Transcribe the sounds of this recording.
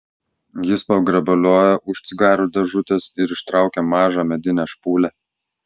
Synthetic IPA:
jɪspɐɡɾɐbɐlʲoːjɛʔʊʃʲsʲɪɡɑːɾʲuːd̪ʲɛʒʊt̪ʲɛsɪɾɪʃt̪ɾɑˑʊkʲɛmɑːʒɑmʲɛd̪ʲɪnʲæʃpuːlʲæ

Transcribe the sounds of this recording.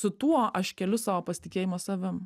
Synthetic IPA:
sʊt̪uɔʔɐʃkʲɛlʲʊsɑːʋoːpɐsʲɪt̪ʲɪkʲeːjɪmoːsɐʋʲɪm

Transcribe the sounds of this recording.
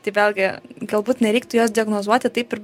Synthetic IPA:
t̪ɐɪʋʲeːlʲɡʲɪɡɐlˠbuːt̪nʲɛɾʲɛɪk̚t̪ʊjoːs̬d̪ʲiɐɡnoːzuɔt̪ʲɪt̪ɐɪpɪɾ

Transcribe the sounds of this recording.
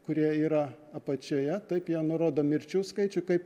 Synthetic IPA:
kʊɾʲiɛiːɾɐ | ɐpɐt͡ʃʲoːjɛt̪ɐɪpjiɛnʊɾoːd̪oːmʲɪɾʲt͡ʃʲuːskɐɪt͡ʃʲʊkɐɪp

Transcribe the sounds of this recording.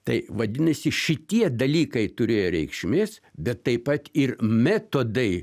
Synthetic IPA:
t̪ɐɪʋɐd̪ʲɪnɐsʲɪʃʲɪt̪ʲiɛd̪ɐlʲiːkɐɪt̪ʊɾʲeːjoɾʲɛɪkʃʲmʲeːsbʲɛt̪ːɐɪpɐt̪ɪrmʲɛt̪oːd̪ɐɪ

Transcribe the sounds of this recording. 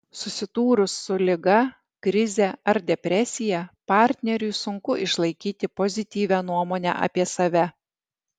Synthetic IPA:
sʊsʲɪt̪uːɾʊsːʊlʲɪɡɐ | kɾʲɪzʲɛɐɾd̪ʲɛpʲɾʲɛsʲɪjɛpɑˑɾʲt̪ʲnʲɛɾʲʊɪsʊŋkʊʔɪʃlˠɐɪkʲiːt̪ʲɪpozʲɪt̪ʲiːʋʲæːnuɔmoːnʲæ̰ːʔɐ̰ːpʲiɛsɐʋʲɛ

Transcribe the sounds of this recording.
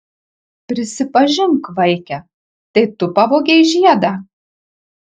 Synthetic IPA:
pʲɾʲɪsʲɪpɐʒʲɪŋkʋɐɪkʲɛ | t̪ɐɪt̪ʊpɑʋoːɡʲɛɪʒʲiɛd̪ɑ

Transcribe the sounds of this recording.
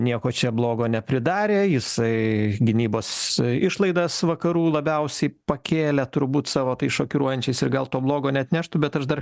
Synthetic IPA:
nʲiɛkoːt͡ʃʲɛblˠoːɡoːnʲɛpʲɾʲɪd̪ɑːɾʲeːjɪsɐɪɡʲɪnʲiːboːsɪʃlˠɐɪd̪ɐsʋɐkɐɾuːlˠɐbʲɛʊsʲɛɪpɐkʲeːlʲɛt̪ʊɾbuːt̪sɑːʋoːt̪ɐɪsʃoːkʲɪɾuɔjɛnʲt͡ʃʲɛɪsɪrɡɐlˠt̪oːblˠoːɡoːnʲɛɐt̪ʲnʲæʃt̪ʊbʲɛt̪ɐʃd̪ɐr

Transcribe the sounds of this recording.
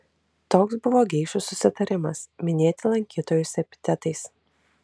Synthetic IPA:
t̪oːksbʊʋoːɡʲɛɪʃʊsʊsʲɪt̪ɐɾʲɪmɐsmʲɪnʲeːt̪ʲɪlˠɐŋʲkʲiːt̪oːjʊsʲɛpʲɪ̥t̪ʲɛt̪ɐɪs

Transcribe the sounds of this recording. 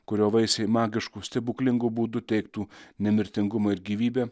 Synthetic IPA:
kʊɾʲoːʋɐɪsʲɛɪmɑːɡʲɪʃkuːsʲt̪ʲɛbuːklʲɪŋɡʊbuːd̪ʊt̪ʲɛɪkt̪uːnʲɛmʲɪɾʲt̪ʲɪŋɡʊmoːɪɾɡʲiːʋʲiːbʲɛː

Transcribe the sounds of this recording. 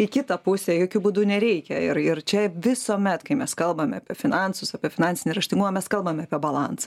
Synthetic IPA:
ɪkʲɪt̪ɐpʊsʲɛjoːkʲubuːd̪ʊnʲɛɾʲɛɪkʲɛɪɾɪrt͡ʃʲɛʋʲɪsoːmʲɛt̪kɐɪmʲɛskɐlˠbɐmʲɐːpʲiɛfʲɪnɑnsʊsɐpʲiɛfʲɪnɑnʲt͡sʲɪnʲɪrɐʃʲt̪ʲɪŋɡumɐmʲɛskɐlˠbɐmʲɐːpʲiɛbɐlˠɑnsɐ̥

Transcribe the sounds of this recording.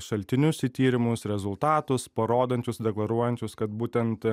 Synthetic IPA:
ʃɐlʲt̪ʲɪnʲʊsɪt̪ʲiːɾʲɪmʊsɾʲɛzʊlˠt̪ɑːt̪ʊspɐɾoːd̪ɐnʲt͡ʃʲʊsd̪ʲɛklˠɐɾuɔjɛnʲt͡ʃʲʊskɐt̪̚buːt̪ʲɛnt̪

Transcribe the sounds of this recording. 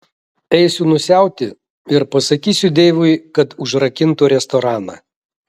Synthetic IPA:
ɛɪsʲʊnʊsʲæˑʊt̪ʲɪ | ɪɾpɐsɐkʲiːsʲʊd̪ʲeːʋʊɪkɐt̪ʊʒɾɐkʲɪnt̪uːɾʲɛst̪ɔɾɑːnɐ̰

